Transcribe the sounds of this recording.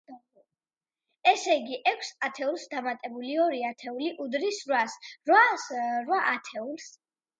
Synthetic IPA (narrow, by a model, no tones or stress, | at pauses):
ɛsɛiɡiʔɛkʷʰsat̪ʰɛulˠsd̪amat̪ʼɛbuliɔɾiat̪ʰɛuliʔud̪ɾisɾwasɾwaɾwaʔat̪ʰɛulˠs